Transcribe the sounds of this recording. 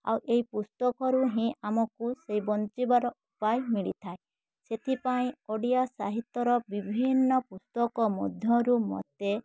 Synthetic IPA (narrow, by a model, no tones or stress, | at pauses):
a̰wʔeɦipust̪ɔkɔɾuɦĩamɔkusejbɔnt͡ʃibaɾɔupajmiɭit̪ʰae | set̪ʰipaĩoɽijasaɦit̪ːɔɾɔbibʱinːɔpust̪ɔkɔmɔd̪ʱjɔɾumɔ̰t̪e